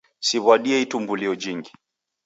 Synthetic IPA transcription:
siβwaɗiɛitumbuliɔd͡ʒiŋɡi

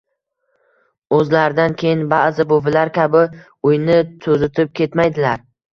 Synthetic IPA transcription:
ɵzlaɾɪd̪ankʲʰe̞jɪnbazɪbovɪlaɾkʲʰabɪ | ʊjnɪt̪ʰɵzɪt̪ʰɪp̚kʲʰe̞t̪majd̪ɪlaɾ

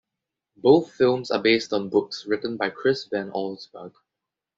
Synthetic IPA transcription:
boːθfɪlˠmsa̰beːstɔ̃nbʊksɹɪtə̃nbaɪkʰɹɪsvɛ̃nɔlsbəɡ

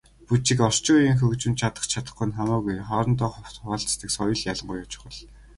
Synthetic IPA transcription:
put͡ɕĭkɔrt͡ɕʊːjiːŋxɵkt͡ɕɪ̆mt͡ɕʰat̪ə̆χt͡ɕʰat̪ə̥̆χŭnχamʊːɣujχɔːɾɞ̆nt̪ɔːχʊw̥t̪χɔːɬt̪ə̆ksɔjɞ̆ɮjaɮə̆ɴɢujɔt͡ɕɪ̥̆χə̆ɮ

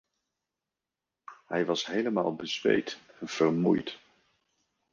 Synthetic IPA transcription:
ɦɛjʋɑsɦejləma̰ːlˠbəzʋḛjtɛnv̥ərmṵjt

